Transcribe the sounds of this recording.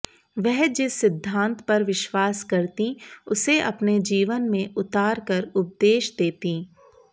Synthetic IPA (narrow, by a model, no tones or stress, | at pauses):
ʋɛɦd͡ʒɪsːɪd̪ʱːãːnt̪pɐɾʋɪʃwaːskɐɾt̪ĩʊseʔɐpned͡ʒiːʋənmẽʔʊt̪aːɾkəɾʊp̚d̪eːʃd̪eːt̪ĩː